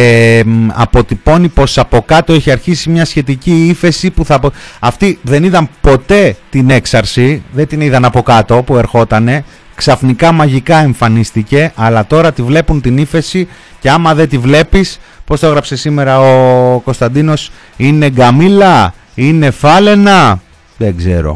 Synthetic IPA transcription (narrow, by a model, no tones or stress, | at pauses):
ɐ̰po̞t̪ipo̞nipo̞sɐpo̞kɐt̪o̞e̞çiɐɾçisimɲɐsçe̞t̪iciife̞sipuθɐpoɐft̪iðe̞niðɐmpo̞t̪e̞t̪ine̞ksɐɾsiðe̞t̪iniðɐnɐpo̞kɐt̪o̞pue̞ɾxo̞t̪ɐne̞ | ksɐfnikɐmɐʝikɐe̞ɱfɐnist̪ice̞ʔɐlɐt̪o̞ɾɐt̪ivle̞punt̪inife̞si | ceɐmɐðe̞t̪ivle̞pispo̞st̪oɣɾɐpse̞sime̞ɾɐoko̞st̪ɐnd̪ino̞s | ine̞ɡɐmilɐ | ine̞fɐle̞nɐ | ðeɡze̞̰ɾo̞̰